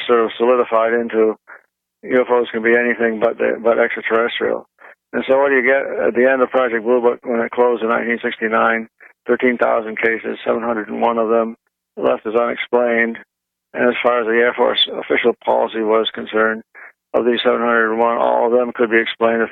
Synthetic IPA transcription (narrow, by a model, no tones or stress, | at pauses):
sɔɹɾʌv̥səlɪɾəfaɪɾɪ̃ntu | jʉɛfoʊz̥kɨ̃nbiɛniθɪ̃ŋbʌt̪̚ðḭbʌɾʔɛkstətʰə˞ɛstɹ̥ḭl̩ˠ | ɨ̃nsoʊwʌdɨɨɡɛɾɨ̰t̪̚ðiɛ̃ndʌv̥pʰɹ̥ɑd͡ʒɛk̚b̥lubʊkwə̃nɨt̚kʰl̥oʊzɨ̃nãɪ̃ntʰĩnsɪkstinãɪ̃nθɜ˞tĩnθa̰ʊzə̃n̩kʰeɪsɪ̰z̥sɛvə̃n̩hʌ̃ndɹədn̩wʌ̃nʌvðə̃m | lɛ̰ftɨzʌ̃nɨ̰ksplẽɪ̃nd | ɨ̰̃nɨz̥fɑɹɨzðiɛɹfɔ̰ɹsə̰fɪʃl̩ˠpʰɑ̰lˠə̰siwʌz̥kɨ̃n̩sɜ̃˞nd | ʌ̰vðiz̥sɛvnhʌ̃ndɹədn̩wʌ̃nɔ̰lˠʌvðə̃mkʰɨd̚biɨksplẽɪ̃ndɨ